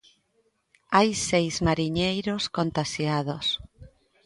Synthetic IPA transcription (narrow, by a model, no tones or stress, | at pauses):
ajsejzmaɾiɲejɾoskont̪aʃjað̞os